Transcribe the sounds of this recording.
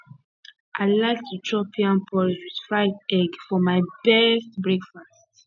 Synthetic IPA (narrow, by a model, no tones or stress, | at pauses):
ʔaɪlaɪk̚tʰut͡ʃʰɹɔpiãnpʰɔliswid̥fɹaɪtɛɡfɔmaɪbɛstbɹɛkfast